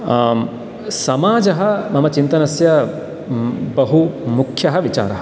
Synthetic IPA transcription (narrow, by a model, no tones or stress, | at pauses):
sɐmaːd͡ʒɐɦɐ̆mɐmɐt͡ʃint̪ɐnɐsjɐ | bɐɦumukʰjɐɦɐʋit͡ʃa̰ːɾɐɦɐ̥